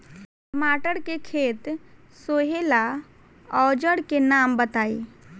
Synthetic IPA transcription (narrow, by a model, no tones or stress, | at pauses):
maːʈəɽkekʰeːt̪ | soːɦela | ɔːd͡ʒəɽkenaːmbət̪aːḭ